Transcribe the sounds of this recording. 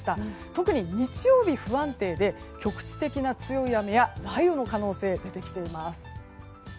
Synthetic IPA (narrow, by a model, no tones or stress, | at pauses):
i̥t̪at̪o̞kɯ̟ɲ̟iɲ̟it͡ɕijo̞ːbʲiɸɯ̟ãnt̪e̞ːd̪e̞ | kʲo̞kɯ̟̥t͡ɕi̥t̪e̞kʲinat͡sɨjo̞ijame̞janaijo̞no̞kano̞ːse̞ːd̪e̞t̪e̞kʲi̥t̪e̞imasɨ̥